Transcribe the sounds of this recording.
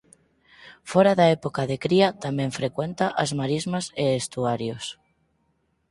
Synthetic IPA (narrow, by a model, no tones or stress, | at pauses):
foɾaðaepokaðekɾiat̪amẽɱfɾekwent̪aʔazmaɾizmaseest̪uaɾjos